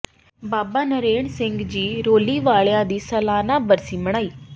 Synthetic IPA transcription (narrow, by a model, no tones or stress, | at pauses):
baːbaːnəɾeːɳsɪŋɡd͡ʒiːɾoːliːʋaːɭjãːd̪iːsəlaːnaːbəɾsiːməɽ̃aːiː